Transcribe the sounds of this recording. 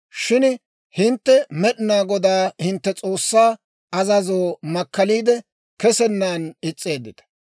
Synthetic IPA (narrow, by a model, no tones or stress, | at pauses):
ʃɪn | hɪnt̪ːɛmɛɗɪnaːɡɔd̪aːhɪnt̪ːɛt͡sʼoːsːaː | ɐzɐzoːmɐkːɐliːd̪ɛ | kɛsɛnːaːnɪt͡sʼːe̞ːd̪ːɪt̪ɐ̥